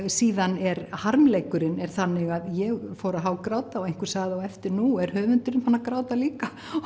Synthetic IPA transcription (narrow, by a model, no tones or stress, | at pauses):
siːðanɛɾhaɾmlejkʏɾɪnɛɾ̥θanːɪɣaðjɛɣfɔːɾaɦawkɾaːwt̪aɔɣejn̥kʏɾ̥saːɣðɪawɛft̪ɪɾnuɛɾ̥hœːvʏnt̪ʏɾɪnfanːakɾaːwt̪aliːka